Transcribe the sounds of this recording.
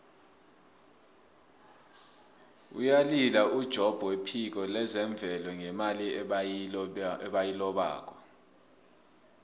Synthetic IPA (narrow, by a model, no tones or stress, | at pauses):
ṵjalilaud̥ʒ̥ʱɔb̥ʱwepʰik̬ɔlɛzɛɱb̪vʱɛlɔŋɛmali | ɛɓajilɔɓa̰ːk̬ʰʼɔ̥